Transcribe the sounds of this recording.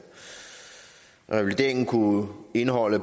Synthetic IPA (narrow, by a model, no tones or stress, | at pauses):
ʁɛʋlit͡sʰe̝̰ːŋn̩kʰue̝nɦɒ̽l̰ə